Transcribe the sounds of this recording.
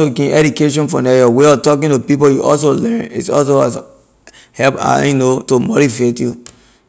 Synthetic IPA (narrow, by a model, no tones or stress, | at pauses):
oɡĩnʔɛdukeʃ̬ɔ̃nfɔ̰nɛjɔweɔtɔkĩntupipojuʔɔ̰ls̬olɛ̃nḭtɔ̰ls̬oa̰s | hɛpa̰junotomɔɾifetju